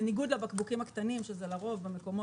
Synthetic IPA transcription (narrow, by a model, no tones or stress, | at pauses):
niɡud̪labakbukimhakt̪animʃezelaʁo̞vbemeko̞mo